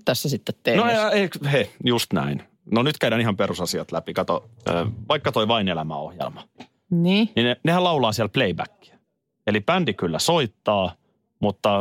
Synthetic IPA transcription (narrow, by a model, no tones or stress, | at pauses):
t̪æsːæsit̪ːet̪tenoeeikhejust̪næ̰in | nonyt̪kæydæːnihɑmperusɑsiɑt̪læpikɑt̪oø̰ːʋɑikːɑt̪oiʋɑinelæmæ̰o̰hjḛlmɑ̥ | niːninenehælɑulɑːsiælpleibæ̰kːi̥æ̥ | elipændikylːæsoit̪ːɑː | mut̪ːɑ